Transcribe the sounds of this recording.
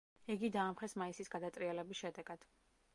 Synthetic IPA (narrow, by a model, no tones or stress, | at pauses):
ɛɡid̪aːmχɛsmaisisɡad̪at̪sʼɾiɛlɛbisʃɛd̪ɛɡ̥ad̪̥